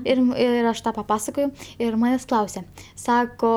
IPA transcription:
ˈɪr ˈɪr ɐʃ ˈtɑː pɐˈpɑːsɐkoːjɛʊ ˈɪr ˈmɑːnʲeːsʲ ˈklˠɐʊsʲɛ ˈsɑːkoː

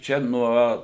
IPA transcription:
ˈt͡ʃʲɛ ˈnuɔ

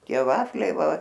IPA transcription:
ˈtʲiɛ ˈʋɑːfʲlʲɛɪ ˈʋɐ

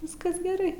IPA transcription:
ˈʋʲɪskɐs ɡʲɛˈrɐɪ

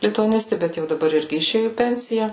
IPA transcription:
lʲɪtʊɐˈnʲɪsʲtʲɪ ˈbʲɛt jɛʊ dɐˈbɐr ˈɪrʲɡʲɪ ɪˈʃʲeːjʊ iː ˈpʲɛnʲsʲɪjɛ

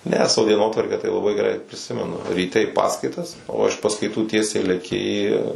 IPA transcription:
nʲɛ ˈsɑːʋoː dʲiɛˈnoːtʋɐrʲkʲæː tɐɪ lˠɐˈbɐɪ ɡʲɛˈrɐɪ pʲrʲɪˈsʲɪmʲɛnʊ rʲiːˈtʲɛ ɪ ˈpɑːskɐɪtɐs oː ɪʃ pɐskɐɪˈtuː ˈtʲiɛsʲɛɪ lʲɛˈkʲɪ iː

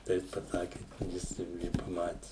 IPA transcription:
tɐɪ ˈjɪs pɐˈsɑːkʲɪ ˈjɪs jɛʊ ˈɪ pɐˈmɑːtʲɪ

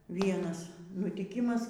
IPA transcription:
ˈʋʲiɛnɐs nʊtʲiːˈkʲɪmɐs

